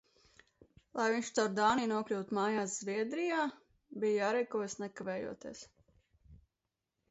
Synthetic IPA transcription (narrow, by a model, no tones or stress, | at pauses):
lˠajviɲʲʃt̪awɾd̪aːniːnuɔklʲuːt̪maːjaːsz̥viɛd̪ɾijaː | bijjaːɾɛjkuɔjsnɛkavɛːjṵɔt̪iɛs